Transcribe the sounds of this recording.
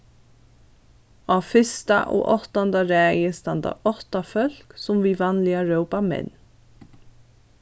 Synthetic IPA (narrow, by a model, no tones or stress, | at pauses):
ɑːfɪst̪ɑ̰ʔo̰ːʔɔt̪ɑnd̪ɑɾæːjəst̪ɑnd̪ɑ̰ʔɔt̪ɑfœl̥ksɔmʋiːʋɑnlɪɑɹəʊpɑmɛ̰n